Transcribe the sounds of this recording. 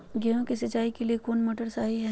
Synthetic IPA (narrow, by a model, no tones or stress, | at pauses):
ɡɛɦõkisɪt͡ʃaːikeliekoːnmoːʈəɾsaːɦiɦɛ